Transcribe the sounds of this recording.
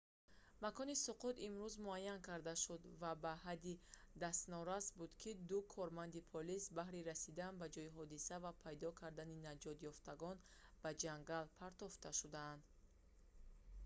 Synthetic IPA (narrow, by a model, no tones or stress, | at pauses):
makɔnisuqʰut̪imɾuzmuajːankʰaɾd̪aʃud̪vabaɦad̪id̪ast̪nɔɾasbud̪kʰid̪ukʰɔɾmand̪ipʰɔlisbaɦɾiɾasid̪anbad͡ʒɔiɦɔd̪isavapʰajd̪ɔkʰaɾd̪aninad͡ʒɔt̪jɔft̪aɡɔnb̥ad͡ʒaŋɡalpʰaɾt̪ɔft̪ʰaʃud̪aːnd̪